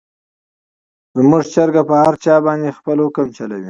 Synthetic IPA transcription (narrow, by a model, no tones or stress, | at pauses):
zmuʐt͡ʃaɾɡapəhaɾt͡ʃɑbɑnd̪expəlokamt͡ʃalawi